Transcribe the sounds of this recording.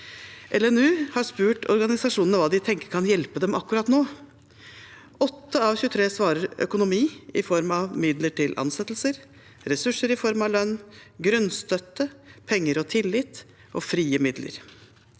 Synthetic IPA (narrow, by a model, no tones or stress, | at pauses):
ʔɛlɛnʉːhɑʂpʉːʈɔ̰ɾɡɑnɪsɑʂuːnənəʋɑːd̪ɪt̪ʰɛŋkəɾkʰɑnjɛlpəd̪ɛmɑkːʉɾɑːt̪noː | ɔt̪ːəɑʋçʉːət̪ʰɾeːsʋɑːɾəɾœ̰kʊnʊmiːɪ̰fɔɾmɑʋmɪd̪ləʈʰɪlʔɑ̰nsɛt̪l̩səɾ | ɾɛsʉʂəɾɪfɔɾmɑʋlœnːɡɾʉnst̪œt̪ːəpʰɛŋːəɾɔt̪ʰɪlːɪt̪ | ʔɔfɾiːəmɪd̪lə̰ɾ